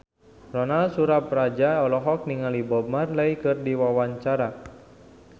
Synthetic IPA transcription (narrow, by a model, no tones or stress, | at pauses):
rɔnalsuɾaprad͡ʒaɔlɔɦɔk̚niŋalibɔmarlaikɨrdiwawaɲt͡ʃaɾa